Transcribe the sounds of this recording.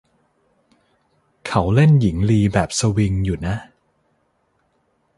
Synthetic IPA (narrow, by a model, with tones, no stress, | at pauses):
kʰa˦wle˥˩nji˩˦ŋliː˧bɛː˨˩p̚sa˧wi˧ŋjuː˨˩na˦˥